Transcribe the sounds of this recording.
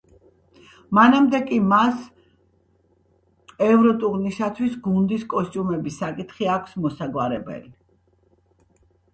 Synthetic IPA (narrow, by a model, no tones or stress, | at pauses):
manamd̪ɛkʼimas | ɛvɾɔt̪ʼuɾnisat̪ʰwisɡund̪iskʼɔst͡ʃ̪ʼumɛbisːakʼit̪ʰχiakʷʰsmɔsaɡwaɾɛbɛ̰li